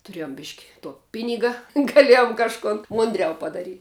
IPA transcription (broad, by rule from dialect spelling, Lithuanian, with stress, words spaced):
tʊˈrʲeːjoːm bʲɪʃʲkʲ tuɔ ˈpʲɪnʲɪɡɐ ɡɐˈlʲiɛjoːm kɐʃˈkʊn ˈmʊnʲdʲˌrʲɛʊ pɐdɐˈrʲiːtʲ